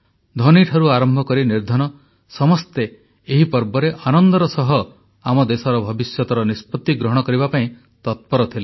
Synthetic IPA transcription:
d̪ʱɔniʈʰaɾuaɾɔmbʱɔkɔɾiniɾd̪ʱɔñɔ | sɔmɔst̪eː | ɦipɔɾbɔɾeʔanɔnd̪ɔɾɔsɔɦɔ | amɔd̪esɔɾɔbʱɔbisjɔt̪ɔɾɔnispɔt̪iɡɾɔɦɔɽ̃ɔkɔɾibapaĩ | t̪ɔt̪̚pɔɾɔt̪ʰile

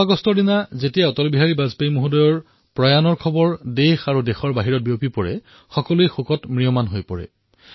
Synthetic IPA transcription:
aɡɔstɔdinazetijaɔtɔlbiɦaɹibazpejmuɦudɔjɔɹ | pɹajanɔɹkʰɔbɔɹdexaɹudexɔɹbaɦiɹɔt̚biopipɔɹɛ̰ | xɔkɔluejxokɔtmɹijɔmanɦojpɔ̰ɹɛ̰

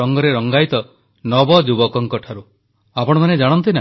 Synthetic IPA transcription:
ɔŋɡɔɾeɾɔŋɡajt̪ɔ | nɔbɔd͡ʒubɔkɔŋkɔʈʰaɾu | apɔɽɔmaned͡ʒaɽ̃ɔnt̪ina

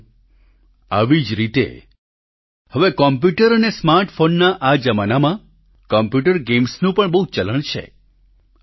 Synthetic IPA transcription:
a̰ʋid͡ʒɾit̪ḛ | həʋekɔmp̬juʈəɾənesmaɾʈfonːaʔad͡ʒəmanamã | kɔmpjuʈəɾɡemsnũpəɳbəɦut͡ʃələɳ̃t͡ʃʰḛ

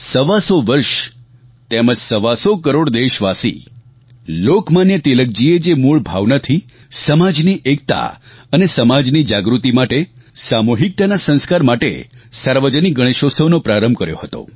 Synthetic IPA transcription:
səʋasoʋəɾʃ | t̪eməd͡ʒsəʋasokəɾoɽd̪eʃʋasḭ | lokmanjət̪ilək̚d͡ʒied͡ʒemuɭbʱa̰ʋnat̪ʰi | səmad͡ʒniʔek̚t̪a̰ənesəmad͡ʒnid͡ʒaɡɾut̪imaʈesamuɦik̚t̪anasə̃ñskaɾmaʈḛsaɾʋəd͡ʒəniɡəɽ̃eʃosəʋnopɾaɾəmbʱkəɾjo̰ɦət̪o̰

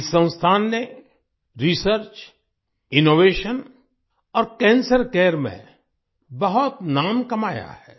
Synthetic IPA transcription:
sə̃w̃st̪ʰaːnːe | ɾisəɾt͡ʃ | ɪnoːʋeːʃən | ɔːɾkɛ̃ːnsəɾkɛːɾmḛ̃ | bɐɦʊt̪naːmkɐmaːja̰hɛː

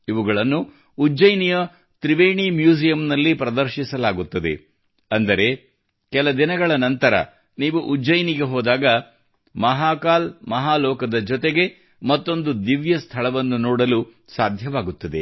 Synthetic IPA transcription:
iʋuɡɐɭɐnːuː | d͡ʒɐjnijɐ | t̪ɾiʋeːɳimjuːsijɐmnɐlːipɾɐd̪ɐɾʃisɐlaːɡut̪ːɐd̪e̞̰ | ɐnd̪ɐɾe̞ | kɛlɐd̪inɐɡɐɭɐnɐnt̪ɐɾɐ̰ | niːʋuʔud͡ʒɐjniɡe̞ɦɔːd̪aːɡɐ | mɐɦaːkaːlmɐɦaːlɔːkɐd̪ɐd͡ʒɔt̪e̞ɡe̞ | mɐt̪ːo̞nd̪ud̪iʋjɐst̪ʰɐɭɐʋɐnːunoːɽɐlu | saːd̪ʱjɐʋaːɡut̪ːɐd̪e̞̰

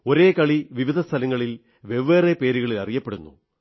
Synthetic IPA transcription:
o̞ɾe̞ːkɐɭiʋiʋid̪ʱɐst̪ʰɐlɐŋːɐɭil | ʋe̞ʋːeːrepe̞ːɾuɣɐɭilɐrijɐpːeɽunːṵ

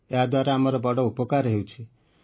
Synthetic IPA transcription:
eɦad̪waɾeamɔɾɔbɔɽɔupɔkaɾɦewt͡ʃʰi

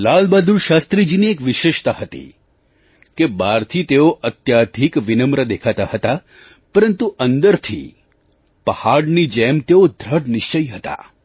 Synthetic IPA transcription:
lalbad̪ʱuɾʃast̪ɾid͡ʒiniekʋɪʃeʃt̪aɦət̪ḭ | kebaɾt̪ʰit̪eoʔət̪jad̪ʱikʋinəmɾəd̪ekʰat̪ahət̪a | pəɾənt̪uʔənd̪əɾt̪ʰḭ | pəhaɽnid͡ʒɛmt̪eod̪ʱɾəɽnɪʃt͡ʃəiɦət̪a̰

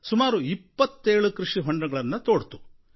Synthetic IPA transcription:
sumaːɾuipːɐt̪ːeːɭukɾuʂiɦɔɳɖɐɡɐɭɐnːɐt̪oːɽt̪u̥

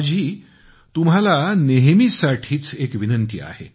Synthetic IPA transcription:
d͡ʑʱiː | t̪umɦalaneɦmisaʈʰiːt͡sekʋinənt̪ḭa̰hḛ

